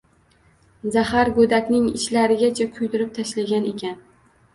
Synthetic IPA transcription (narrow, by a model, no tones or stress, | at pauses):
zahaɾɡod̪akʲnɪŋɪʃlaɾɪɡʲat͡ʃʰakʰʊjd̪ɪɾɪp̚t̪ʰaʃlaɡʲane̞kʲʰan